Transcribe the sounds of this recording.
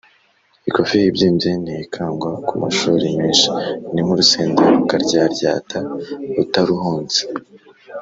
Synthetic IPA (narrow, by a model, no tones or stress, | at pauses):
iko̞fihibɟiːmbzenijikʰaːŋɡwakuma̰ʃuːɾemiːnʃi̥nimuɾuseːndaɾokaɾɟaːɾɟa̰ːtʰautaɾuɦuːnz̥e̥